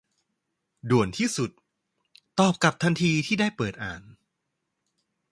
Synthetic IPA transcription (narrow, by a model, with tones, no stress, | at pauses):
du˨˩ənt̪ʰiː˥˩su˨˩t̪̚ː | ɔː˨˩p̚ka˨˩p̚t̪ʰa˧nt̪ʰiː˧t̪ʰiː˥˩daː˥˩jpɤː˨˩t̪̚ʔaː˨˩n